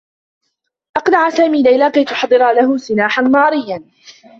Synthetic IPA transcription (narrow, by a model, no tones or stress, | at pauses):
ʔɑqnaʕsaːmiːlajlaːkajt̪ʊħɑd̪ˤːɨɾalaɦʊsɨnaːħanmɑːɾɪjːan